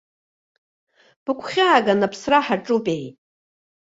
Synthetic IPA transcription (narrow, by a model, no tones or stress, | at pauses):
b̥ɨkʷʰχʲaːɡanapʰsraħaʈ͡ʂʼupʼej